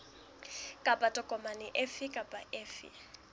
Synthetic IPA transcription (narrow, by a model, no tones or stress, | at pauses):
kʼapʼatʼɔkʼɔmanɪʔɛfɪkʼapʼaʔɛːfɪ̰